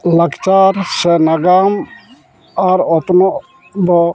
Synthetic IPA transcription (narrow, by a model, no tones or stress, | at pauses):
lakt͡ʃaɾsɛnaɡam | aɾɔt̪nɔ | d̪ɔ